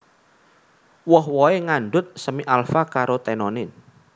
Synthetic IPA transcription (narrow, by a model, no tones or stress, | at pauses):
wɔɦwɔeŋaɳɖʊt̪̚səmiʔalfakaɾot̪ɛnɔnɪn